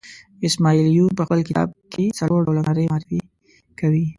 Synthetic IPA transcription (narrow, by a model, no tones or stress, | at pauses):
ɪsmaːiljuːbɐxəlkɪa̰ːb̚kesɐloːɖolɐnaɾemaːɾfi | kɐwiː